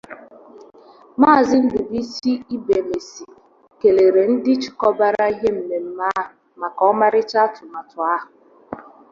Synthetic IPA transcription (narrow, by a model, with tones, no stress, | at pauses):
maː˦˨zɪ˦n̩˦dʊ˨bi˦si˦i˦be˨le˨si˨ | ke˨le˨ɾe˨n̩˦dɪ˦t͡ʃɪ̥˨kɔ˦ba˦ɾa˦i˦ɦe˦m̩˨me˨m̩˦ma˦ɦʊ˨ | ma˨kɔ˨˦ɔ˦ma˦ɾɪ˦t͡ʃa˦tʊ˨ma˨tʊ˨a˦ɦʊ˨